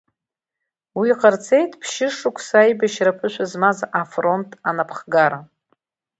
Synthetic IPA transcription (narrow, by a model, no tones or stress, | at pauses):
wiqʼərt͡sʰʼe̞jtʰʼpʰʃɪʂukʷʰsajbaʃrapʰɨʃʷʰazmazafro̞ntʼanapʰχɡaɾa